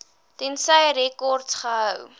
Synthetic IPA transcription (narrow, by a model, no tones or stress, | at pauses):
tɛnsəjɾɛkɔrtsχəɦəw